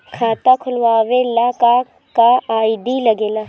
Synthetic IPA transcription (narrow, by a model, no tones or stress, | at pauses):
kʰaːt̪akʰʊlʋaːʋeːlaka | kaaːid̪ilɐɡeːlaː